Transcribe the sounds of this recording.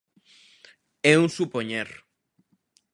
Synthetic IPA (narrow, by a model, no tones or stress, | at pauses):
ɛuŋsupoɲeɾ